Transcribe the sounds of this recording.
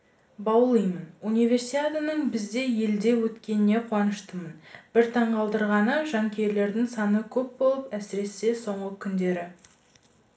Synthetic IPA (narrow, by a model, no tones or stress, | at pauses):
bɑwlˠijmənunijve̞rsit̪ʲat̪ənəɴbɪzd̪e̞je̞ld̪e̞wɵt̪kʲe̞nɪne̞qʰuɑnəʃt̪əmənb̥ɪɾt̪ʰɑɴqɑlˠd̪əɾʁɑnəʒɑŋkʲe̞ɾle̞ɾd̪ɪŋsɑnəkʲʰɵp̚bo̞lˠəpæsɪɾe̞se̞so̞ɴʁəkʲʰʏnd̪e̞ɾɪ